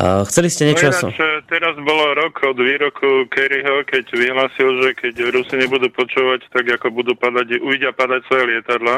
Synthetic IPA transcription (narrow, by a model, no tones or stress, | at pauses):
xt͡sɛliscɛɲɛt͡ʃsat͡ʃɛt̪ɛɾazbɔlɔɾɔkʰɔd̪ʋiːɾɔkʰukɛɾiɦɔkɛɟʋiɦlaːsilʒɛkɛɟɾusiɲɛbud̪uːpɔt͡ʃuːʋact̪aɡakɔbud̪uːpad̪aɟuiɟɪapad̪acsʋɔjɛlɪɛt̪ad̪la